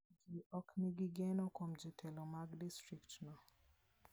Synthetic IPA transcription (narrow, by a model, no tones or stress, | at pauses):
ɡiʔɔkniɡiɡɛnɔkomd͡ʒitʰɛlomaɡdistɾiktnɔ